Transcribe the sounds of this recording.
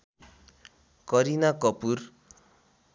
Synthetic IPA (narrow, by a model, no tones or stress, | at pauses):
kʌɾinakʌpur